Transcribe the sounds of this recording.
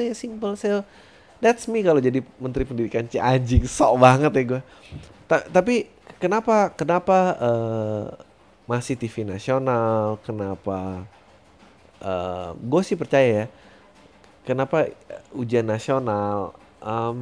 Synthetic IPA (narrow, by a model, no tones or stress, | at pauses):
ajasimpəlsel | dɛtsmikalod͡ʒadimənt̪ɾipəndidikant͡ʃiad͡ʒɪŋsɔbaŋət̪jaɡuɛ | t̪at̪ap̬i | kənapakənapaə | masɪht̪ifinasionalkənapa | ʔəɡuɛsɪhpərt͡ʃajaja | kənapaud͡ʒianːasional | ʔəm